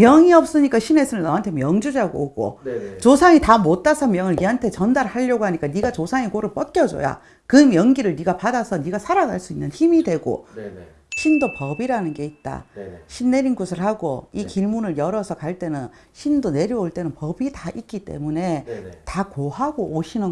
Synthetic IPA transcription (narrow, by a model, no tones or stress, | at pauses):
mjʌŋiʌp̚s͈ɯɲik͈aɕʰine̞sʰɯnɯnːʌɦantʰe̞mjʌŋd͡ʑud͡ʑaɡooɡo̰t͡ɕosʰaŋitamot͈asʰʌmjʌŋɯɭniɦantʰe̞t͡ɕʌndaɾhaʎːʌɡoɦaɲik͈aniɡat͡ɕosʰaŋekoɾɯɭp͈ʌt̚k͈jʌd͡ʑo̰ja̰ | kɯmjʌŋɡiɾɯɭniɡapadasʰʌniɡasʰaɾaɡaɭs͈uinːɯnçimidwe̞ɡo̰ | ɕʰindopʌbiɾanɯnɡe̞it̚t͈a̰ɕʰinːe̞ɾinɡusʰɯɭhaɡo̰ikiɭmunɯɭjʌɾʌsʰʌkaɭt͈e̞nɯn | ɕʰindone̞ɾjʌoɭt͈e̞nɯnpʌbitaʔik̚k͈it͈e̞̰mune̞takoɦaɡooɕʰinɯ